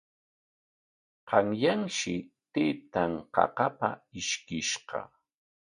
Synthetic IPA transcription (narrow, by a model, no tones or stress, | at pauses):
qɑŋjaŋʃɪt̪eːt̪aŋqɑ̰qɑpaɪʃkɪʃqɑ̰